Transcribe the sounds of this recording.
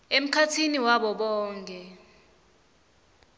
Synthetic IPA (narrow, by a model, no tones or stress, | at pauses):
em̩kʰatʰiniwaɓɔɓɔːŋkʼɛ